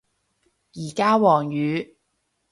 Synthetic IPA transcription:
jiː˨˩kaː˥wɔː˨˩ŋjyː˨˥

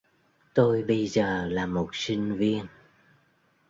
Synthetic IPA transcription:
t̪o˧jɓə˧jzəː˨˩laː˨˩mo˨˩t̚sï˧ŋ̟vi˧ən

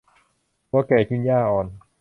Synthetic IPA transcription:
wɔː˧˥˩kɛː˧˩kʰɯ˥˩njaː˥˩ʔɔː˨˩n

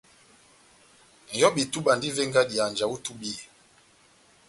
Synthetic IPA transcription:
jɔ˦ɓi˨tu˦ɓa˨ndi˦ve˦ŋɡa˦di˨a˨nd͡ʒa˨wu˦tu˦bi˦˨

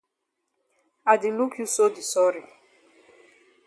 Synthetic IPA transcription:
a˨di˨lu˦kʰju˦so˦di˨sɔ˦ɾi˨

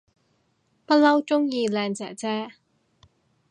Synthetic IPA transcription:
pɐ˥t̚lɐ˥wt͡ʃʊ˥ŋjiː˧lɛː˨˧ŋt͡sɛ̰ː˨˩t͡sɛː˥

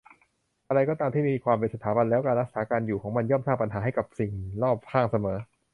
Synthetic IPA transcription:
ʔa˧ɾa˧jkɔː˥˩t̪aː˧mt̪ʰiː˥˩miː˧kʰwaː˧mp̬e˧nsa˧t̪ʰaː˩˦ba˧nlɛː˦˥wkaː˧nɾa˥k̚saː˩˦kaː˧njuː˨˩kʰɔː˩˦ŋma˧njɔː˥˩msaː˥˩ŋpa˧nɦaː˩˦ɦa˥˩jka˨˩p̚si˨˩ŋlɔː˥˩p̚hʰaː˥˩ŋsa˧mɤː˩˦

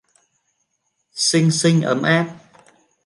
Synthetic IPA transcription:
sɨ˧ŋsɨ˧ŋʔə̰ː˨˩mʔaː˧˥p̚

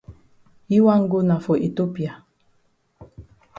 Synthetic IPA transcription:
i˦wa˦ŋ̩˦ɡo˦na˨fo˨ʔe˨to˦pi˨a˨

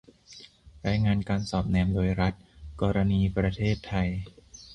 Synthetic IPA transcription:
ɾaː˧jŋaː˧nkaː˧nsɔː˨˩p̚nɛː˧mdoː˧jɾa˦˥t̪̚kɔː˧ɾa˧niː˧pɾa˧t̪ʰeː˥˩t̪ʰːa˧j

